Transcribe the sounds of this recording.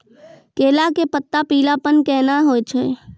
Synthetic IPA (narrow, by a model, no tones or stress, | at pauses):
keːlakepət̪ːapiːlapənkɛːnaɦoːt͡ʃʰe